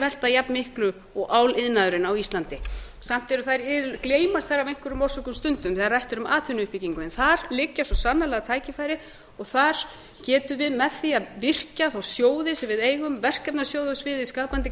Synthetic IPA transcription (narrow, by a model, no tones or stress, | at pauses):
vɛl̥t̪ajapnmɪhklʏ | ɔɣʔaːwlɪðnaðʏɾɪnawist̪lant̪ɪsam̥t̪ɛɾʏθaðɾɪðʏkleːjmast̪θaɾːavejŋ̥kvʏɾʏmɔr̥sɔkʏmst̪ʏnt̪ʏmθarajht̪ʏɾʏma̰ːt̪ʰvʏnʏhpiciŋkʏɛnθaɾlɪcːasɔsanːalɛɣat̪ʰaːjcɪfajɾɪ | ɔɣθaɾ̥ | cɛːt̪ʏvɪðmɛðθiaðvɪr̥caθawsjoːwðɪsɛvɪðeːjɣʏmvɛr̥kɛpnasjoːwðʏsvɪðiskaːpant̪ɪ